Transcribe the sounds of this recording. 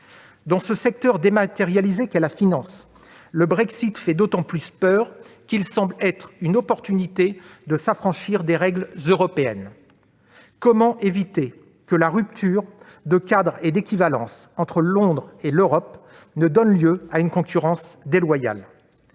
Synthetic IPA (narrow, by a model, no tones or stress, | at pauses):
d̪ɑ̃səsɛk̚t̪œʁd̪emat̪eʁjalizekalafinɑ̃s | ləbʁɛksit̪fɛd̪ot̪ɑ̃plyspœːʁkʲilsɑ̃blɛt̪χynɔpɔʁt̪ynit̪ed̪əsafχɑ̃ʃiʁd̪eʁɛɡlzøʁɔpeɛn | kɔmɑ̃ʔevit̪e | kəlaʁyp̚t̪ʰyːʁ | d̪əkʲad̪ʁed̪ekʲivalɑ̰̃sɑ̃t̪χəlɔ̃d̪ʁeløʁɔp | nəd̪ɔnljøaynkɔ̃kʲyʁɑ̃sd̪elwaja̰l